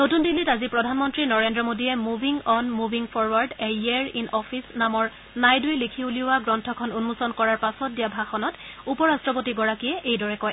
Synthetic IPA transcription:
notundilːitazipɹɔdʱanmɔntɹinɔɹendɹɔmodijɛmubʱiŋɔnmubʱiŋpʰɔɹwaɹdɛɛɹinɔpʰisnamɔɹ | najdujlikʰiuliʊaɡɹɔntʰɔkʰɔnunmusɔnkɔɹaɹpasɔt̚dijabʱaxɔnɔtupɔɹastɹɔpotiɡɔɹakiɛʔejdɔɹɛkɔj

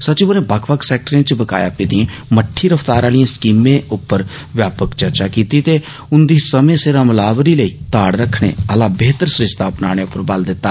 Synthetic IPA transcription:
sət͡ʃiːboɾẽːbəkʰbəkʰsɛːk̚ʈəɾẽːt͡ʃbəka̰ːja̰ːpiːd̪iẽːməʈʰːiːɾəft̪aːɾaːlijẽːskiːmẽːʔʊpːəɾ | ʋjaːpəkt͡ʃəɾt͡ʃaːkiːt̪iːt̪eː | ʊnd̪iːsəmẽːsɪɾəmlaːʋɾiːləiːt̪aːɽɾəkʰːɽ̃ḛːəlãːbeːt̪əɾsɾɪʃt̪aːpna̰ːɽ̃eːʊpːəɾbəld̪ɪt̪ːaː

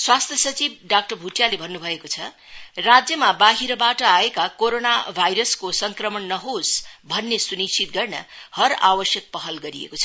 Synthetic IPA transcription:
swast̪ʰjʌsʌt͡sib̚ɖak̚ʈʌrbʱuʈjalebʱʌnːubʱʌekot͡sʰʌ | rad͡zjʌmabaɦiɾʌbaʈʌaekakoɾonabʱajɾʌskosʌŋkrʌmʌnnʌɦosbʱʌnːesunist͡ʃʰit̪̚ɡʌrnʌ̰hʌɾa̰bʌsjʌk̚pʌɦʌlɡʌɾiḛkot͡sʰʌ

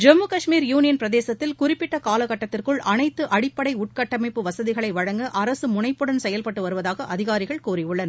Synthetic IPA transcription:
d͡ʒɛmːukɐʂmiːɾjuːnɪjɐnpɪɾɐðeːsɐt̪ːɪlkʊrɪpːɪʈːɐkaːlɐɣɐʈːɐt̪ːɪrkɯɭʔɐnɐɪt̪ːɯʔɐɽɪpːɐɽɐɪʊʈ̚kɐʈːɐmɐɪpːɯʋɐsɐðɪɣɐɭɐɪʋɐɻɐŋɡɯʔɐɾɐsɯmʊnɐɪpːɯɽɐnsɛjɐlpɐʈːɯʋɐɾɯʋɐðaːɣɐʔɐðɪɣaːɾɪɣɐɭkuːɾɪjɯɭːɐn

